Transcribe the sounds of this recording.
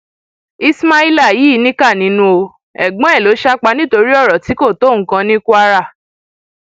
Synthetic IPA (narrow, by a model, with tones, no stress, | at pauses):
i˦sma˦i˦la˦˨ji˨˦i˦˧˦nĩ˦ka˦˨nĩ˨˧˦nũ˦o˧ | ɛ̰˨ɡ͡bɔ̃˨˦ɛ˦˨lo˨˦ʃa˦k͡pa˧˦nĩ˦to˧ɾi˦ɔ˦˨ɾɔ˨ti˨˦ko˦˨to˦˨ŋ̩˨˦kã˧nĩ˦ku˦a˧ɾa˦˨